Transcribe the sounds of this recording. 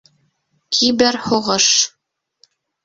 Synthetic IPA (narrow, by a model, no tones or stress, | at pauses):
kʰibɘɾhoʁɤʃ